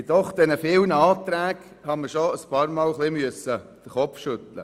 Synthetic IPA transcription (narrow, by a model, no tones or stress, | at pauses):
d̥ɔχd̥̪ɛnəfɪːwnəɑːt̪ɾæːɡ | hɑməʃoəspɑːɾmɑːlχlimyəsəd̪̥əχɔpfʃʏt̪lə̰